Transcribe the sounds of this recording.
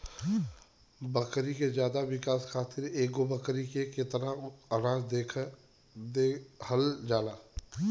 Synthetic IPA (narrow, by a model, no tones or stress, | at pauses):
bɐkɾikezjaːd̪aʋɪkaːskʰaːt̪ɪɾeːk̚ɡobɐkɾikeket̪əɾaɐɾãːzd̪eːkʰ | d̪ehəld͡ʒaːlaː